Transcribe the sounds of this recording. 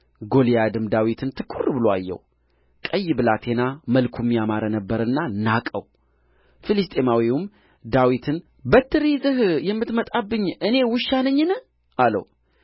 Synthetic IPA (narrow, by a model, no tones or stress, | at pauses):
ɡo̞lijad̪ɨmd̪awit̪ʰɨnt̪ʰɨkʼːurːbɨloa̰jːɛ̰w | kʼəjːbɨlat̪ʰe̞naməlkʰumːijamaɾənəbːəɾɨnːanakʼə̰w | filɨst̪ʼe̞mawiwum | d̪awit̪ʰɨn | bət̪ʰːɨɾizɨhjɛmːɨt̪mət̪ʼabːɨɲːʔɨne̞wʊʃːanəɲːnə | ʔalə̰w